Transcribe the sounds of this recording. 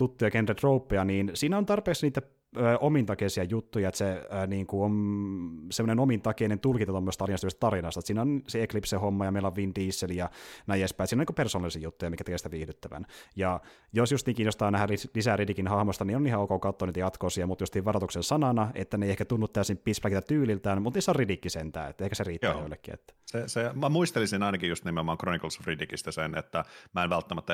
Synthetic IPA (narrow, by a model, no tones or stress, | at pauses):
t̪ut̪ːujɑkentːet̪roupːejɑniːnsiːnæont̪ɑrpeːksniːt̪æ | øːʔomint̪ɑkesiɑjut̪ːujɑet̪seniːŋkuon | semːonenomint̪ɑkenent̪ulkint̪ɑt̪omːosest̪ɑliɑnst̪yøest̪t̪ɑɾinɑst̪ɑet̪siːnæonseeklipsehomːɑjɑmeilɑoʋʋint̪iisːelijɑnæjespæisiːnikupersoːnɑlisiːjut̪ːujɑmikæt̪ekesit̪æʋiːhdyt̪ːæʋæ̰njɑ | josjust̪iːŋkiːnost̪ɑːnæhælilisæridikinhɑhmost̪ɑniːonːihɑukɑkɑut̪ːoːniːt̪æjɑt̪kosiɑmut̪just̪iːʋɑrɑt̪uksensɑnɑnɑḛt̪ːæneijehkæt̪unːut̪t̪æˑøsimpisplækit̪æt̪yːlilt̪æːnmut̪niːsːoridikːisent̪æ̰ːḛt̪ːæehkæseriːt̪æːjo̰ilːekːḭḛt̪ːæ̥sesemæmuist̪elisinɑinɑkijust̪nimeomɑːŋkronikolsfridikist̪æsenḛt̪ːæmæenʋælt̪ːæmæt̪ːæ